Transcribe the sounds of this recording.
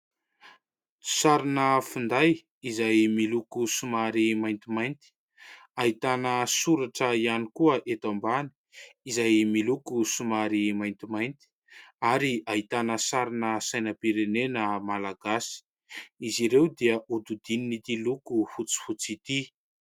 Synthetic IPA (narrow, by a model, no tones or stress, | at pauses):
saɾinəfund̪aj | izajmilukusumaɾimajnt̪imajnt̪i̥ | aɦit̪anəsuɾaʈ͡ʂəianikuəʔet̪ambani̥izajmilukusumaɾimajnt̪imajnt̪i̥ | aɾiaɦit̪anəsaɾinəsajnəpiɾenenəmalaɡasi̥ | iziɾewd̪iəʔud̪ud̪ininit̪ilukufut͡si̥fut͡sit̪i